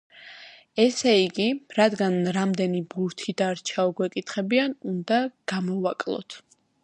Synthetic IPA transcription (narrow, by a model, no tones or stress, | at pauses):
ɛsɛiɡiɾad̪ɡanɾamd̪ɛnibuɾt̪ʰid̪aɾt͡ʃʰauɡwɛkʼit̪ʰχɛbianund̪aɡ̥amɔvakʼlˠɔ̰t̪ʰ